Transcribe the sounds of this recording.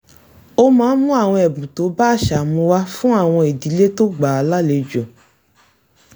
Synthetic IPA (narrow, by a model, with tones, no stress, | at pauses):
o˦mãː˦mũ˦a˦˨w̃ɔ̃˧ɛ˨bũ˨to˨˦baː˦˨ʃa˨mũ˧wa˧fũ˦a˦˨w̃ɔ̃˧e˨di˨˦le˦to˦ɡ͡ba˨a˧˦la˦le˨˦d͡ʒɔ̃˨